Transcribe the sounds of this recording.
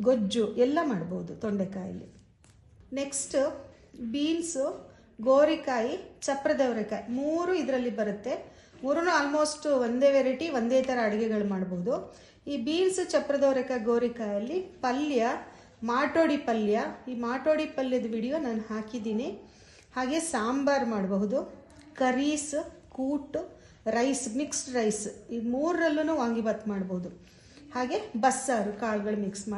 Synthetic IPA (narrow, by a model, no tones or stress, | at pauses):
ɡod͡ʒuʔɛlːɐmaːɽboːud̪ut̪oɳɖekaːjɐ̰lːḭ | neksʈ | biːnsu | ɡoːɾikaːjit͡ʃɐpɾɐd̪ɐʋɾɐkɐimuːɾuid̪ɐɾɐlːibɐɾut̪ːe̞ | muːɾunuaːlmo̞ːsʈʋond̪eːʋeɾiʈiʋond̪eːt̪ɐɾɐːɽɛɡɛɡɐɭumaːɽboʋud̪u | iːbiːnsut͡ʃɐpːɾɐd̪ɐʋɾɐkɐɡoːɾikaːjɐlːipɐljɐ | maːʈoːɽipɐljɐiːmaːʈoːɽipɐljɐd̪ɐʋiɽijoːnaːnhaːkid̪iːni | haːɡe̞saːmbaːɾmaːɽbɐɦud̪u | kɐɾiːskuːʈ | ɾɐjsmiksʈɾɐjsimuːɾːɐlːunuːʋaːŋɡibaːt̪ːmaːɽboɦud̪u | haːɡe̞bɐsːaːɾukaːlɡɐɭumiksma